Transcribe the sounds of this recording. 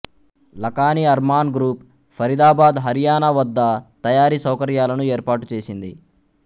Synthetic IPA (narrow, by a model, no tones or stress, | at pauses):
lɐkaːniɐɾmaːnɡɾuːp | fʰɐɾid̪aːbaːd̪ɦɐɾijaːnɐʋɐd̪ːɐt̪ɐjaːɾiːsɐwkɐɾjaːlɐnueːɾpaːʈut͡ʃe̞ːsind̪ḭ